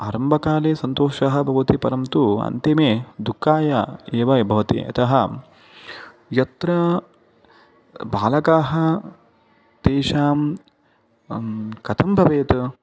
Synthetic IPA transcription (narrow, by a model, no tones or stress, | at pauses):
aːɾɐmbʱɐkaːleːsɐnt̪oːʃɐɦɐ̆bʱɐʋɐt̪ipɐɾɐmt̪uɐ̰nt̪imeːd̪ukːaːjɐeːʋɐbʱɐʋɐt̪ḭɐ̰t̪ʰɐɦɐ | jɐt̪ɾɐ | bʱaːlɐkaːɦɐ | t̪eːʃaːm | kɐt̪ʰɐmbʱɐʋeːt̪